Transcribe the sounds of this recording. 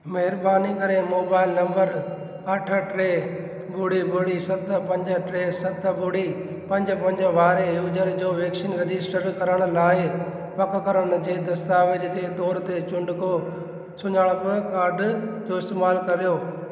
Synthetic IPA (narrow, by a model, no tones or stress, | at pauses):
mɐɦɪɾbaːnikɐɾemoːbaːɪlnɐ̃mbəɾ | ɐʈʰə̆ʈɾeː | bʊɽibʱʊɽisɐt̪ʰpɐ̃ɲd͡ʑə̆ʈɾeːsɐt̪bʊɽi | pɐ̃ɲd͡ʑpɐ̃ɲd͡ʑəʋaːɾejuːd͡ʑəɾd͡ʑoːʋeːksinɾed͡ʑɪsʈəɾkɐɾəɽ̃̆laːɪ | pɐkkɐɾəɽ̃ʊ̆d͡ʑeːd̪ɐst̪aːʋɪd͡ʑd͡ʑeːt̪ɔːɾt̪et͡ɕʊ̃ɳɖko | sʊɲəɽ̃ʊpɐɾkaːɾɖd͡ʑoːɪst̪eːmaːlkɐɾijoː